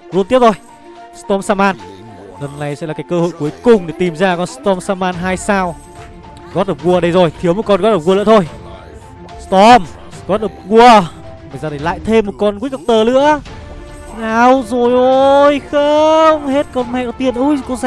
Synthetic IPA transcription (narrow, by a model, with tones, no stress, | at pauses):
lnt̪i˦˥p̚t̪ʰo˧˩j | st̪ɔ˧msaː˧maː˧n | lə˨˩nːa˨˩jsɛ̰˧˥laː˨˩aː˨˦jkəː˧ho̰˧˨jku˨˦əjkʊ˨˩ŋ͡mɗe˨˩t̪i˨˩mzaː˧kɔ˧nst̪ɔ˧msaː˧maː˧nɦaː˧jsaː˧w | ɣɔ˦˥t̚ʔə˨˩w̚ɣu˧ə˨ɗə˧jzo˨˩jt̪ʰi˨˦əwmo˨˩kɔ˧nɣɔ˦˥t̚ɗə˨˩w̚ɣu˧l̰ɨ̰˧˥t̪ʰo˧j | st̪ɔ˧m | ɣɔ˨˦˥t̚ʔə˨˩k͡p̚ɣu˧əɓə˨˩jzaː˧˩a˧˩jla̰ː˧˨jt̪ʰe˧mːo˨˩t̚kɔ˧nkwi˦˥k̚ʔə˨˧wk͡p̚t̪əː˨˩lɨ̰˧˥ə | naː˨˩wzo˨˩jʔo˧jxəmhe˦˥t̚kɔ˧nmɛ̰˧˨ɗɔ˧˦t̪i˧ənʔo˧jkɔ˧˦nza˧